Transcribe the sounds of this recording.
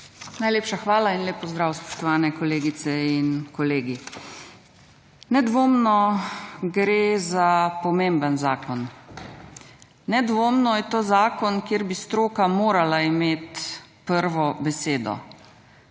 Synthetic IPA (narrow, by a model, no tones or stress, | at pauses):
najleːpʃaxʋaːlainleːpːɔzd̪ɾaːwspɔ̥ʃt̪ɔʋaːnɛkɔleːɡit̪sɛinkɔleːɡi | nɛd̪ʋoːmnɔ | ɡɾeːzapɔmembənzaːkɔn | nɛd̪ʋoːmnɔjɛt̪oːzaːkɔnkjeːɾbist̪ɾoːkamoːɾalaimeːt̪pəɾʋɔbɛseːd̪ɔ̰